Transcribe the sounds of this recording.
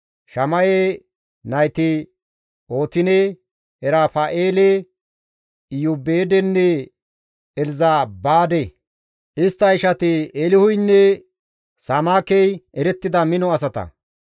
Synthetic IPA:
ʃɐmɐje | nɐjt̪ɪ | o̞ːt̪ɪne | ɛɾaːfaːʔeːle | ɪjubeːd̪ɛnːɛ | ɛlzaːbaːd̪e | ʔɪst̪ːɐɪʃɐt̪ɪelɪhʊjnːɛ | samaːkɛjʔɛɾɛt̪ːɪd̪ɐmɪnɔɐsɐt̪ɐ̰

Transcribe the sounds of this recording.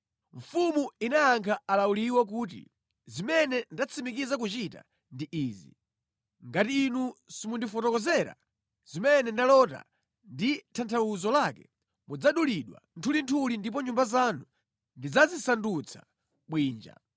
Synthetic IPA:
ɱ̩fumuinaaŋkʰaalauliwak̬uːt̬ḭ | zimɛnɛndat͡sʰimikizak̬ut͡ʃita̰ | ndiʔiːzi | ŋɡatiːnusimundifɔtɔkɔzɛɾa̰ | z̥imɛnɛndalɔta̰ | nditʰantʰawuzɔlakɛ | mud͡zaɗuliɗwa̰ntʰulintʰulindip̬ɔɲumbazanu | ndid͡zazisandut͡sʰḁ | ɓwiːnd͡ʒa̰

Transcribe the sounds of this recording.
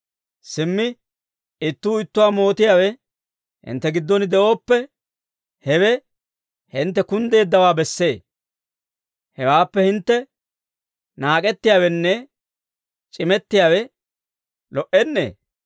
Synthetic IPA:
sɪmːɪ | ɪt̪ːuːɪt̪ːʊwaːmo̞ːt̪ɪjaːwɛ | hɪ̰nt̪ːɛɡɪd̪ːɔnd̪ɛʔo̞ːpːɛ | hɛwɛ | hɪnt̪ːɛkʊnd̪e̞ːd̪ːɐwaːbɛsːe̞ː | hɛwaːpːɛhɪnt̪ːɛ | naːkʼɛt̪ːɪjaːwɛnːɛ | t͡ʃʼɪmɛt̪ːɪjawɛ | lɔʔɛnːḛː

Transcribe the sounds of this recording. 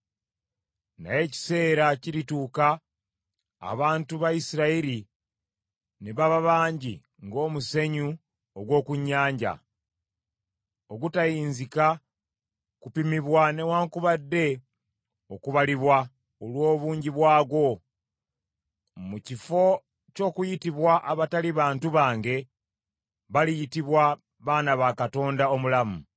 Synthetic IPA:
na̰je̞ci̥se̞ːɾaciɾituːka | βaːntuβaisiɾaiɾi | neβaβaβaːɲɟi | ŋɡo̞ːmuse̞ɲu | oɡwo̞ːkuɲːaːɲɟa̰ | oɡutajiːnzika | kupimiβwane̞waːŋkuβadːe̞ | okuβaliβwa | olwo̞ːβuːɲɟiβwaːɡwo̞ | mucifo̞ | co̞ːkujitiβwaʔaβataliβaːntuβaːŋɡe̞ | βalijitiβwa | βaːnaβakato̞ːndao̞mulamu

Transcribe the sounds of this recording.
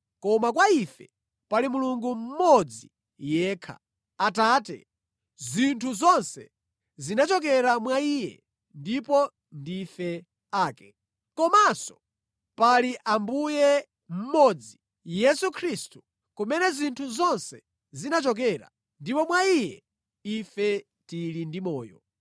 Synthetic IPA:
kɔmakwaifɛ | palimuluŋɡum̩mɔd͡zi | jɛːkʰa̰ | ataːtɛ̰ | zintʰuzɔnsɛ | zinat͡ʃɔk̬ɛɾamwaijɛ̰ | ndipɔ | ndifɛ | aːkɛ̥ | kɔmasɔ̥ | paliʔambujɛ | m̩mɔd͡zi | jɛsukʰɾistu | kumɛnɛzintʰuzɔnsɛ | zinat͡ʃɔk̬ɛɾa̰ | ndipɔmwaijɛ | ifɛ | tilindimɔːjɔ̰

